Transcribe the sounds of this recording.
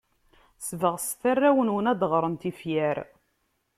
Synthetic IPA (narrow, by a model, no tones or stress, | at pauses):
svəʁsθærːæwənwənæd̪ʁɾˤənt̪ifjæɾ